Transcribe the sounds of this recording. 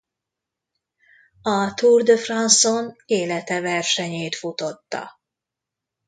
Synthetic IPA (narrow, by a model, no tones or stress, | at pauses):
ɒt̪urd̪øfrɒnsoneːlɛt̪ɛvɛrʃɛɲeːt̪fut̪o̞t̪ːɒ̰